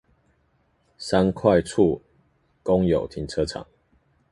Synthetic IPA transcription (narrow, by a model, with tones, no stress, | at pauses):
sa˦nkʰwa˥˨ɪt͡sʰu˥˨ | ko˦ŋjo˨˩ʊt̪ʰi˨˦ŋt͡sʰɤ˦t͡sʰɑ̰˨˦ŋ